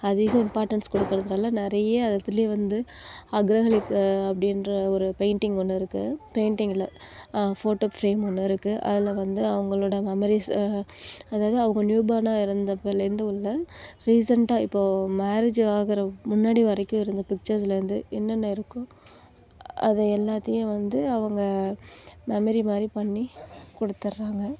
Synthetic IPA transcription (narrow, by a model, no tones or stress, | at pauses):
ɐðɪɣɐɪmpaːɾʈɐnskɔɽɯkːɐɾɐðɪɾaːlɐnɪɾɐjɐɐðɐt̪ːɪljeʋɐnd̪ɯ | ɐɡɾɐɣɐɭɪkːɐpːɐɽɪndɾɐɔɾɯpeɪɳʈɪŋɡɔɳːɯɪɾɯkːɯpeɪɳʈɪŋɡɪlɐ | foːʈoːfɾeːmɔnːɯɪɾɯkːɯʔɐ̰ðɪlʋɐnd̪ɯɐʋɐŋɡɐɭoːɽɐmɛmɛɾis | ɐðaːʋɐðɯɐʋɐŋɡɐnjuːbaːnaːɪɾɯnd̪ɐpelɾɯnd̪ɐʊɭːɐɾiːs̬ɐɳʈaːɪpːoːmaːɾed͡ʒaːɣɪɾɐmʊnːaːɽiʋɐɾɐkːʊ̃ɪɾɯnd̪ɐpɪk̚t͡ʃɐɾs̬lɐɪɾɯnd̪ɯɛnːɐnːɐɪɾɯkːʊ̃ | ʔɐ̰ðɐɛlːaːt̪ːɐjʊ̃ʋɐnd̪ɯɐʋɐŋɡɐ | mɛmɐɾimaːd̪ɾipɐɳːikɔɽɯt̪ːɐɾːaːŋɡɐ